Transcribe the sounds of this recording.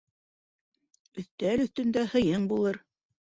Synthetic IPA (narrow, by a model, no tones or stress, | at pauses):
ɵ̆θt̪ælɵ̆θt̪ɵ̆nd̪æhɤ̆jɤɴbulˠɤɾ